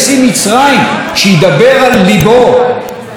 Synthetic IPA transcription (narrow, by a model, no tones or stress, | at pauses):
simit͡sʁaimʃejid̪abeʁalːibo